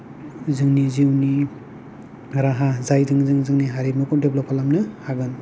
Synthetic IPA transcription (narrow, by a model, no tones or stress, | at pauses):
zɯŋniziwni | ɾaɦazajzɯŋzɯŋzɯŋniɦaɾimɯkundeblopʰalamnɯhaɡɯn